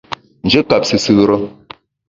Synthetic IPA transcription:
n̩˨d͡ʒe˦ka˨p̚sɨ˨sɨ˦ɾə˦

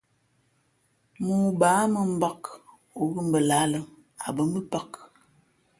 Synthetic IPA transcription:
muː˨baː˨˦mə˨m̩˦ba˦˨k | o˨ɣə˦m̩˨bə˨la˨˦lə˦ŋ | a̰˨bə˦mə˦pa˦k

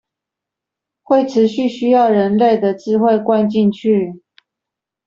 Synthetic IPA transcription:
xwe˥˨ɪʈ͡ʂʰɻ̩˧˦ɕy˥˨ɕy˥jɑ˥˨ʊɻə˧˦nle˥˨ɪd̪ə˨ʈ͡ʂɻ̩˥xwe˥˨ɪkwa˥˧nt͡ɕi˥˧nt͡ɕʰy˥˨

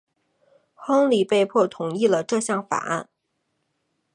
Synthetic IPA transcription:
xɤ˥ŋli˨˩pe˥˧ɪpʰwɔ˥˩t̪ʰʊ˨˩˦ŋi˥˩lə˩ʈ͡ʂɤ˥˧ɕjɑ˥˩ŋfa̰˨˩a̰˥˩n

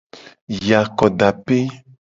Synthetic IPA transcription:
ja˨kɔ˨ɖa˨pe˦

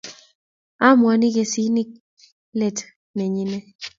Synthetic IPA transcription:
a˦mwa˨ni˦ke˨si˦ni˦k̚ | le˨t | ne˨ɲi˦nɛ˦

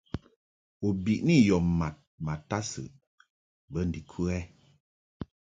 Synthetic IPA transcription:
o˨bi˨ʔni˦jɔ˨mma˨t̚ma˨ta˦sɨ̰˨ʔ | bə˦n̩˨di˨kʰu˦ɛ˦

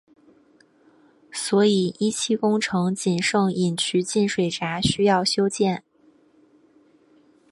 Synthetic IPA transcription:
swɔ˧˥i˨˩i˥t͡ɕʰi˥kʊ˥ŋʈ͡ʂʰɤ˧˥ŋt͡ɕi˨˩nʂɤ˥˩ŋi˨˩nt͡ɕʰy˧˥t͡ɕi˥˩nʂwe˨˩ɪʈ͡ʂa˧˥ɕy˥jɑ˥˩ʊɕjo˥ʊt͡ɕjɛ˥˩n

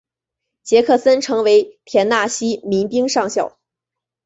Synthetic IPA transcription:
t͡ɕjɛ˧˥kʰɤ˥˩sə˥nʈ͡ʂʰɤ˧˥ŋwe˧˥ɪp̪ʰjɛ˧˥nna˥˩ɕi˥mi˧˥ŋpi˥ŋʂɑ˥˧ŋɕjɑ˥˩ʊ

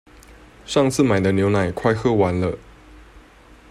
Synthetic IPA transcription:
ʂɑ˥˧ŋt͡sʰɹ̩˥˩ma˨˩ɪd̪ə˦njo˧˥ʊna˨˩ɪkʰwa˥˧ɪxɤ˥˩wa˧˦nlə˧

